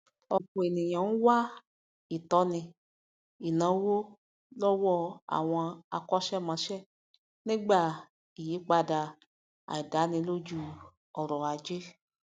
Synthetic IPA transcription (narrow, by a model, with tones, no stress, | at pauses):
ɔ˧kũ˨e˨nĩ˨j̃ã˨n̩˦wa˦ | i˨tɔ˧˦nĩ˧ | i˨nã˨˦wo˦ | lɔ˦wɔ˦a̰˨w̃ɔ̃˧a̰˧kɔ˦ʃɛ˦˨mã˧˦ʃɛ˦˨ | nĩ˦ɡ͡ba˦˨ | i˨ji˨˦k͡pa˧da˧ | a̰˨i˨da˨˦nĩ˧˦lo˦d͡ʒu˦ | ɔ˨ɾɔ˨a˨d͡ʒe˦